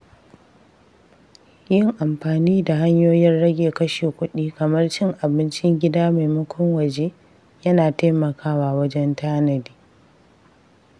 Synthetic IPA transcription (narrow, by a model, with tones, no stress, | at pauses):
jɪ˦ŋʔa˨mɸaː˨niː˦da˨ɦa˦ɲjoː˦jɪ˦rɽɐ˦ɡʲeː˨kɐ˦ʃeː˨kʷʊ˦ɗiː˦kɐ˨mɐ˦rt͡ʃɪ˦ŋʔa˨bɪ˦nt͡ʃɪ˦ŋɡʲɪ˦daː˦ma˨jmʊ˦kʷʰʊ˦ŋwɐ˨d͡ʒeː˦ | jɐ˦naː˨ta˦jmɐ˨kʰaː˦waː˨wɐ˦d͡ʒɛ˦ntaː˦nɐ˨diː˦